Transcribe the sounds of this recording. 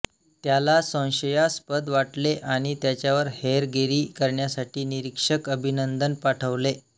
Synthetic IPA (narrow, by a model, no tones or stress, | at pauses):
t̪jalasə̃w̃ɕəjaspəd̪ʋaʈleʔaɽ̃it̪jat͡ɕjaʋəɾheɾɡeɾiːkəɾɳjasaʈʰiːniɾikʂəkəbʱinənd̪ənpaʈʰəʋle